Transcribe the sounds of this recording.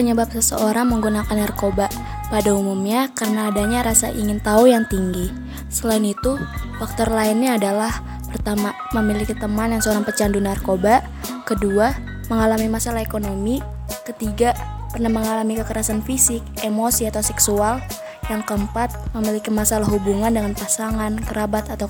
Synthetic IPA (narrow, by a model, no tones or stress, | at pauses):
pəɲəbap̚səsə̰oɾaŋməŋɡunakanːarkobaʔ | padaumumɲakarənaːdaɲaɾasa̰ʔḭŋɪnt̪aujaŋt̪iŋɡi | səlaɪnit̪ufak̚t̪ɔrlaɪnɲaːdalah | pərt̪ama | məmilikit̪əmanjaŋsəoɾaŋpət͡ʃandunarkobaʔ | kədua | məŋalamimasalahekonomi | kət̪iɡa | pərnahməŋalamikəkəɾasanfisɪk̚emosiat̪awsɛksual | jaŋkəmpat̪̚məmilikimasalahɦubuŋandəŋanpasaŋankəɾabat̪at̪a